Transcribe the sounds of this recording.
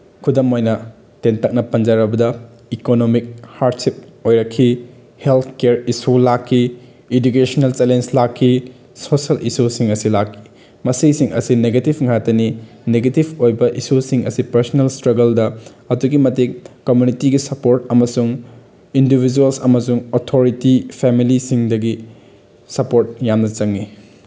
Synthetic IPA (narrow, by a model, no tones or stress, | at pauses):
kʰudɐmojnɐ | tentɐk̚nɐpɐnd͡ʒaɾɐbɐdɐ | ikonomik̚haɾdsip̚ojɾɐkʰːi | helt̪ʰkeɾisulakʰːi | edukesonɐlt͡ʃelenslakʰːi | sosɐlʔisusiŋɐsilakʰːi̥ | mɐsisiŋɐ̰sineɡetibŋatːɐni | neɡetibojbɐʔisusiŋʔɐsipɐɾsonɐlstɾɐɡɐldɐ | ɐtuɡimɐtekkomjunitiɡisɐpoɾtɐmɐsuŋ | indibʱid͡ʒuɐlsɐmɐsuŋotʰoɾitipʰemilisiŋdɐɡi | sɐpoɾt̚jamnɐt͡ʃɐŋːi